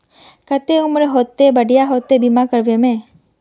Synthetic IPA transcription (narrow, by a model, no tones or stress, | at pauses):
kət̪eumɾəɦot̪ːebəɖijaɦot̪ːebimãkəɾʋemẽ